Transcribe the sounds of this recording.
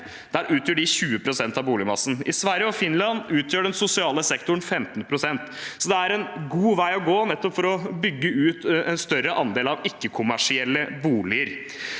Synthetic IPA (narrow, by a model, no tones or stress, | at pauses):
d̪̥æɾʔʉːt̪ʰjøːɖɪçʉːəpʰɾʊsɛnt̪ɑʋbuːlɪmɑsːn̩ɪ̰sʋæɾjəɔfɪnlɑnʉːt̪ʰjøːɖɛnsʊsɪɑːləsɛkt̪ʊɳ̩fɛmt̪npʰɾʊsɛnt̪sɔd̪ɛæɾɛnɡuːʋæɪɔɡoːnɛt̪ːɔpfɔɾɔbʏɡːəʉːt̪ɛnst̪œɾəʔɑnd̪eːlɑʋɪkːəkʰʊmæʂɪɛlːəbuːlɪəɾ